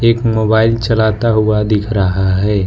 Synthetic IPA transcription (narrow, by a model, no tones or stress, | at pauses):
eːkmoːbaːɪlt͡ʃɐlaːt̪aɦuad̪ɪkʰɾɐɦaɦɛː